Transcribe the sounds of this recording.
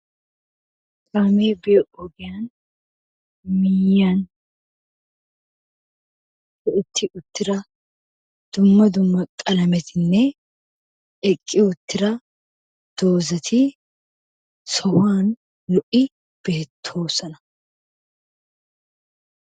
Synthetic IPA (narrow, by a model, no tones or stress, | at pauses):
kʼaːmeːbɪjɔʔɔɡɪjaːn | mɪjan | tɔɪt̪ːɪʔʊt̪ːɪɾɐ | d̪̥ʊmːɐd̪ʊmːɐkʼɐlɐmɛt̪ʰɪnːɛ | ʔɛkʼːɪʊt̪ːɪɾɐ | d̪̥o̞ːzɐt̪ʰi | sɔwaːn | lʊʔɪ | b̥eːt̪ʰːo̞ːsɐnɐ̥